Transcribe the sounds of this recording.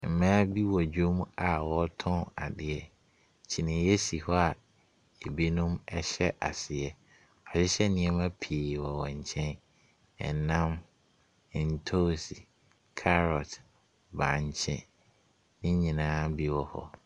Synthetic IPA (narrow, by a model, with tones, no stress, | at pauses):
m̩˨mãː˦bi˦wɔ˨d͡ʑᶣo˦m˦a˨wɔ˦tʰɔ̃˦na̰˨dɪ˨ɛ˨ | t͡ɕʰi˨nɪ̃˨˦jɛ˦si˨hɔ˦a˨ | e˨bi˦nũ˦mɛ˦ɕɛ˦ʔa̰˨sɪ˨ɛ˦ | ɔ˨ɕɪ˦ɕɛ˦nĩ˨ɛ˦mã˦pʰiː˨wɔ˨wɔ̃˨ɲ̩˨t͡ɕʰɛ̃˦n | ɛ̰˨nã˦m˨ | n̩˨tʰo˦si˨ | kʰa˦ɾɔ˨t | bã˨ɲ˨t͡ɕʰɛ̰̃˦ | nɪ̃˦ɲĩ˨nãː˦bi˦wɔ˨hɔ̰˦